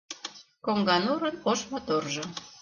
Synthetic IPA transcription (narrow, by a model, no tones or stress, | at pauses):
koŋɡɑnuɾə̆noʃmot̪orʒo